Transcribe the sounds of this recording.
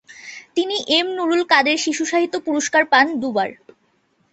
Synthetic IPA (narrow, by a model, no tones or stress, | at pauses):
t̪iniʔemnuɾulkad̪eɾʃiʃuʃaɦit̪ːopuɾoʃkaɾpand̪ubaɾ